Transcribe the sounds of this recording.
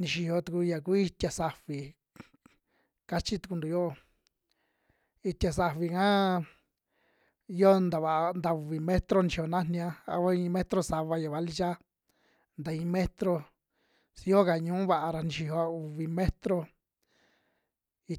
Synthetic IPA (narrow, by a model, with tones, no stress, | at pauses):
nĩ˧ʃi˧ho˧t̪u˧ku˧ja˨ku˦i˧t̪ʲa˧sa˧βi˨ | ka˦t͡ʃi˦t̪u˧ku˧nd̪u˨˧jo˦˧ | i˧t̪ʲja˨s̬a˧βi˧kã˦ | i˦o˦nd̪a˨βa˨˧nd̪a˧u˨βi˨mẽ˦t̪ɾo˦nĩ˧ʃi˧jo˧nã˦nnĩ˧ã˧a̰˧βa˦ĩ˧mẽ˦t̪ɾo˧sa˧βa˧ja˨βa˧li˧t͡ʃa˦ | nd̪a˨ĩ˧mẽ˦t̪ɾo˧ | si˧jo˦ka˨ɲũː˦βa˧ʔa˧ɾa˧nĩ˧ʃi˧o˧a˧u˨βi˧mẽ˦t̪ɾo˧ | i˧